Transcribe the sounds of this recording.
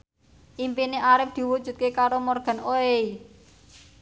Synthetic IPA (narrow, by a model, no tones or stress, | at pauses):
ʔimpineʔaɾɪp̚d̪̥i̤wud̥ʒ̥ṳt̪̚kekaɾomɔrɡ̥a̤noei